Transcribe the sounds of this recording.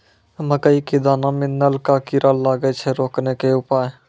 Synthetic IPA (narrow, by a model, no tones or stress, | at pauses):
məkəikid̪aːnamẽnəlkakɪɾʔalaːɡət͡ʃʰɛɾoːknekeʊpaːj